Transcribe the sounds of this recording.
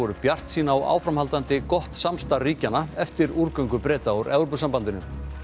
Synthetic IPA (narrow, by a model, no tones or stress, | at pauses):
ɔɾʏpjar̥t̪siːnaːwa̰ːwfɾamhalt̪ant̪ɪkɔht̪samst̪aɾːiːcanaɛft̪ɪɾuɾkœɥŋkʏpɾɛːt̪aawɾɛɣɾpʏsampant̪ɪnʏm